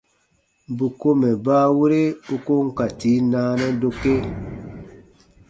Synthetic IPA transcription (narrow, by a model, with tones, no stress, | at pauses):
bu˨ko˦mɛ˨baː˦wu˦ɾe˦u˦ko˦ŋ̩˦ka˨ti˨˦naː˦nɛ˦do˧ke˦